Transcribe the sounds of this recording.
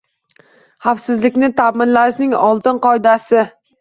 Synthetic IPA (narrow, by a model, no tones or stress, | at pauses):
hafsɪzlɪkʲnɪt̪ʰamɪnlaʃnɪŋɒlˠt̪ɪnqɒjd̪asɪ